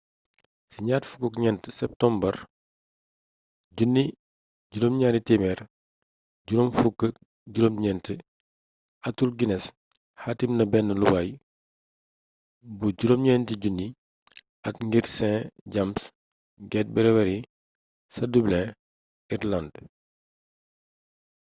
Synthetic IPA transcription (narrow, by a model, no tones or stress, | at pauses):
siɲaːtfu̥kɔkɲɛntəsɛp̚tɔmbɐr | ɟunːi | ɟuɾomɲaːɾitimɛɾ | ɟuɾomfukːə | ɟuɾomɲɛntə | ɐtːulɡinɛs | haːtimnɐbɛnːəluwaj | buɟuɾomɲɛntiɟunːi | ɐtŋɡiɾsɛ̃ɟams | ɡɛːt̚bɛɾɛwɛɾi | sɐdublɛ̃ | irland